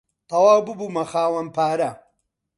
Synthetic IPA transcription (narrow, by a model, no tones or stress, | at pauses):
t̪ʰɐwaːwbɨbumɐxaːwɐnpʰaːɾɐ